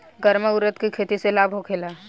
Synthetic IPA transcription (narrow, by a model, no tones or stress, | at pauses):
ɡəɾməʊɾət̪kikʰeːt̪iselaːbʱɦokʰeːla